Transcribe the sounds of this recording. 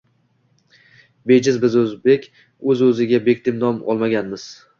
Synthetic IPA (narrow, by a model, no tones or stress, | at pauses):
bed͡ʒɪzbɪzɵzbe̞kʲ | ɵzɵzɪɡʲabekʲt̪ʰɪmnɒmɒ̰lˠmaɡʲanmɪz̥